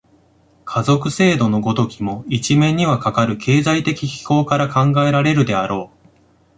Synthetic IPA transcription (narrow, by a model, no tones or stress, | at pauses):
kʰazo̞kɯ̟se̞ːd̪o̞no̞ɡo̞t̪o̞kʲimo̞it͡ɕimẽ̞ɲ̟ːiβakakaɾɯ̟kʰe̞ːzait̪e̞kʲiçʲi̥ko̞ːkaɾakãŋɡae̞ɾaɾe̞ɾɯ̟d̪e̞aɾo̞ː